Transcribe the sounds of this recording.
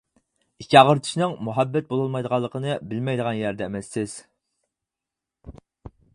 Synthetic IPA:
ikʲʰːiɑʁəɾt̪ʰɨ̥ʃnɨŋmuɦæbːɛt̪̚bolˠɑlˠmɑjd̪əʁɑlˠːəqʰənɨbɪlmɛjd̪əʁɑnjæɾd̪ɛːmɛsːɪz̥

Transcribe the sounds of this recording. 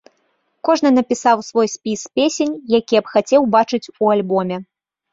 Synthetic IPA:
kɔʐnɨnɐpʲisawsvɔjsʲpʲispʲesʲenʲjakʲijɐpxat͡sʲɛwbat͡ʂɨt͡sʲualʲbɔmʲɛ

